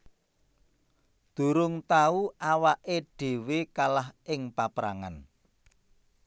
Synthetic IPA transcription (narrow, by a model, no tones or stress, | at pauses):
d̪̥ṳɾʊŋt̪auʔawaʔeɖ̥e̤wekalaɦʔɪŋpapɾaŋa̰n